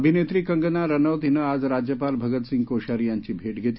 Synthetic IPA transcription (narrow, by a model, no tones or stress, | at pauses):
bʱinet̪ɾiːkə̃ŋɡənaɾənəwd̪ɦinəad͡zɾad͡ʑjəpalbʱəɡət̪sĩŋɡkoɕaɾijaɲt͡ɕiːbʱeːʈɡʱet̪